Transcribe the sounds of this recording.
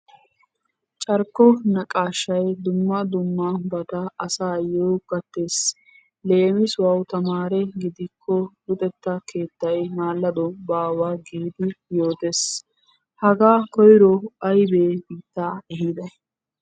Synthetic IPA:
t͡ʃʼɐɾkːɔnɐkʼaːʃːɐjd̪ʊmːɐd̪ʊmːabɐt̪ɐɐsaːjoːɡɐt̪ːe̞ːs | le̞ːmɪswɐwt̪ɐmaːɾɛɡɪd̪ɪkʰːɔlʊt̪ʼɛt̪ːɐkʰe̞ːt̪ːɐjmaːlːɐd̪ɔbaːwaːɡiːd̪ɪjo̞ːt̪e̞s | hɐɡaːkɔjɾɔɐjbeːbiːt̪ːaːɛɦɪd̪ɐj

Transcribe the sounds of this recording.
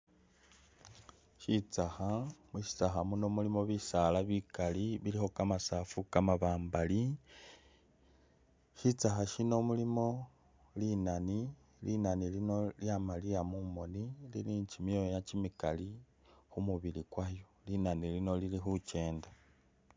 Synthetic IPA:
ʃit͡saxamuʃi̥t͡saxamuno̞mulimo̞βisalaβikaliβilixo̞kamasafukamaβaːmbali | ʃit͡saxaʃino̞mulimo̞ | linani | linanilino̞ljamaliamumo̞nililiːɲt͡ʃimjojacimikali | xumuβilikwajolinanilino̞lilixut͡ʃe̞ːnda

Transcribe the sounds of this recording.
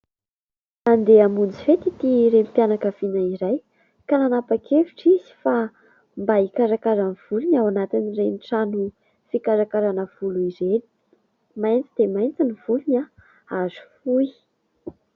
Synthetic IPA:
and̪eamund͡zifet̪it̪iɾempjanakəv̥inaiɾaj | kananapakʰeviʈ͡ʂiz̥i̥fa | mbaikaɾakaɾanv̥uluɲawanat̪inireniʈ͡ʂanu | fikaɾakaɾanəv̥uluizeni | majnt͡sid̪̥emajnt͡sinivuluna | azu̥fui

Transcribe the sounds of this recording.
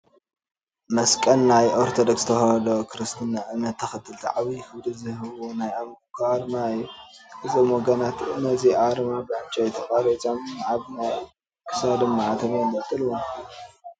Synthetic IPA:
mɐskʼɐnːajʔoɾt̪ʰod̪okst̪ʰɐxɐd̪okʰɨɾɨst̪ʰɨnːaʔɨmɐt̪ʰːɐxɐt̪ʰːɨlt̪ʰiʕaβifɨwd̪ɨzɨhɨβunajamkʰaɾmaɨjːuʔɨzomoɡɐnat̪ɨnɐziʕaɾmabɨʕant͡ʃʼajt̪ʰɐkʼaɾɐt͡ʃʼamːʕaβna | kʰɨ̥sad̪ɐmːaʕat̪ʰɐmendɨt̪ʰʼːɨlwo

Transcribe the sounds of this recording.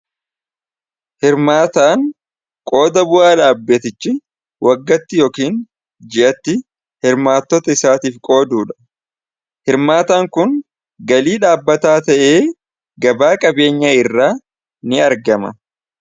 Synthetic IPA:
hɪɾmaːt̪aːŋ | kʼo̞ːd̪ɐbʊʔaːᶑaːbːeːt̪ɪt͡ʃːɪ | wɐɡːɐt̪ːɪjoːkiːn | d͡ʒɪʔɐt̪ːɪ | hɪɾmaːt̪ːɔt̪ɐɪsaːt̪iːfkʼo̞ːd̪uːᶑɐ̥ | hɪɾmaːt̪aːŋkʊn | ɡɐliːᶑaːbːɐt̪aːt̪ɐʔeː | ɡɐbaːkʼɐbe̞ːɲːɐɪrːaː | nɪɐɾɡɐmɐ̰

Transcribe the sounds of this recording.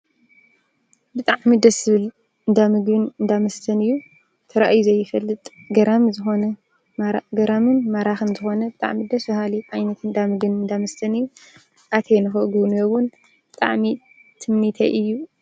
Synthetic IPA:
bɨt̪ʼaʕmid̪ɐsɨβɨl | ɨnd̪amɨɡβɨnɨnd̪amɐst̪ʰɐnɨjːu | t̪ʰɐɾaʔjuzɐjːɪfɐlːɨt̪ʼɡɐɾamzɨxo̞nɐ | ɡɐɾamɨnmaɾaxɨnzɨxo̞nɐbɨt̪ʼa̰ʕmid̪ɐsɐhaliʔajnɐt̪ɨnd̪amɨɡbɨnɨnd̪amɐst̪ʰɐnɨjːu | ʔat̪ʰejnɨxɨʔɨɡunjowʊn | b̥ɨt̪ʼa̰ʕmi | t̪ʰɨmnit̪ʰɐʔɨjːu

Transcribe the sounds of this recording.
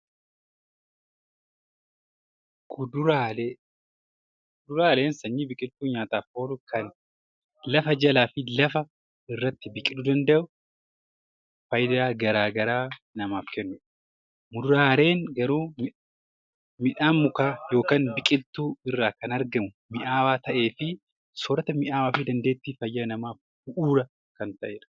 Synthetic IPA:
d̪a | kʊd̪ʊɾaːle̞ːnsɐɲːibɪkʼɪlt̪ːuːɲaːt̪aːfo̞ːlʊkʰɐn | lɐfɐd͡ʒɐlaːfɪlɐfɐ | ɪrːɐt̪ːɪbɪkʼɪᶑ̪uːd̪ɐnd̪ɐʔʊ | fɐjd̪aːɡɐɾaːɡɐɾaː | nɐmaːfkɛnːʊᶑɐ̥ | mʊd̪ɾaːɾe̞ːŋɡɐɾuːmɪ | mɪᶑaːmːʊkaːjo̞ːkaːnbɪkʼɪlt̪uːɪrːaːkɐnɐɾɡɐmʊ | mɪʔaːwaːt̪ɐʔe̞ːfɪ | soːɾɐt̪ɐmɪʔaːwaːfɪd̪ɐnd̪eːt̪ːiːfɐjːanɐmaːf | bʊʔuːɾɐ | kɐnt̪ɐʔeːᶑɐ̥

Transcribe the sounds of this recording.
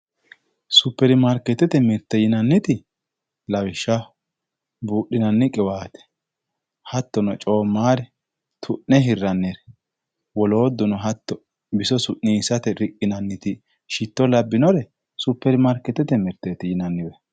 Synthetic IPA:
sʊpːɛɾɪmɐɾkːɛt̪ːɛt̪ɛmɪɾt̪ːɛjɪnɐnːɪt̪ɪ | lɐwɪʃːɐ | buːɗːɪnɐnːɪkʼɪwaːt̪ɛ̥ | hɐt̪ːɔnɔt͡ʃʼo̞ːmːaːɾɛ | t̪ʰʊʔnːɛɦɪrːɐnːɛɾɛ | wɔlo̞ːd̪ːɔnɔɦɐt̪ːɔ | bɪsɔsʊʔniːsɐt̪ɛɾɪkʼːɪnɐnːɪt̪ɪ | ʃɪt̪ːɔlɐbːɪnɔɾɛ | sʊpːɛɾɪmɐɾkːɛt̪ːɛt̪ɛmɪɾt̪ːɛt̪ɪjɪnɐnːɪbɛ

